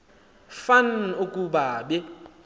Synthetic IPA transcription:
fanukʼuɓaɓɛ

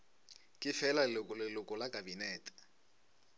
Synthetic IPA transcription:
kʼɪfɛlaʊkɔlɪlʊkʼɔlakʼabinɛːtʼɛ̥

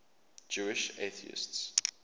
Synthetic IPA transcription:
d͡ʒuɪʃeθḭɪ̰sts

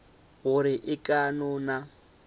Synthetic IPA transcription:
ɣʊɾɪʔɪkʼanɔna

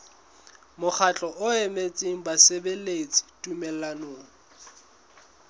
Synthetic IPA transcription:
mʊk͡xʰat͡ɬʼɔʔʊemet͡sʼiŋ̩basebelet͡sʼi̥tʼumɛlanoːŋ̩

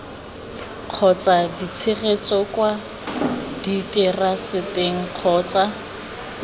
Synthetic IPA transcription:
q͡χʰɔt͡sʼadit͡sʰɪɣet͡sɔkwa | ditʼɛrasɪteŋ̩q͡χʰɔːt͡sʼa

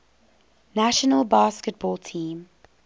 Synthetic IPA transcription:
naʃənəlˠbɑːˑskət̚b̥ɔːlˠtʰĩːm

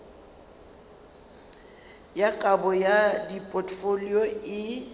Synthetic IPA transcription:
jakʼabɔjadipʼɔtfoliɔɪ

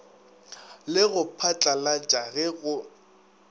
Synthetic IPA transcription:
lɪɣʊpʰat͡ɬʼalat͡ʃʼaɣɛɣʊ

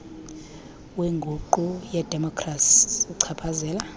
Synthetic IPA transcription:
weŋɡʱuǃujɛd̥ʱɛmɔkʰrasuǀʰapʰazɛːla

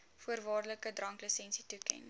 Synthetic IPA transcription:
fuərvɑːrələkədrɐŋkləsɛnsitukɛ̰n

